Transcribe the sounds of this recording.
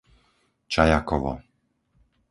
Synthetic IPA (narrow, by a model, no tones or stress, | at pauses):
t͡ʃajakɔʋɔ̰